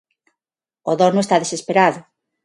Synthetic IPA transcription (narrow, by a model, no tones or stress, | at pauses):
oðɔnʊest̪aðesespeɾaðʊ